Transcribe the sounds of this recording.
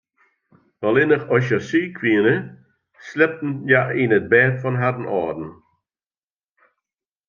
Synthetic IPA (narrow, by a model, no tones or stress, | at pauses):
vɔlˠɪnəxɔʃəsyːkʰwiənə | slɛp̚tn̩jaʔinət̚bɛːtfɔnɦadn̩ʔɔ̰ːdn̩